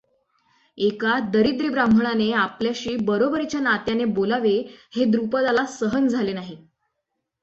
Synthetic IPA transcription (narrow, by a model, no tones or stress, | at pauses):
ekad̪əɾid̪ɾibɾamb̤ʱəɳ̃aneapljaɕiːbəɾobəɾit͡ɕjanat̪janebolaʋehed̪ɾupəd̪alasəɦənd͡zʱalenaɦi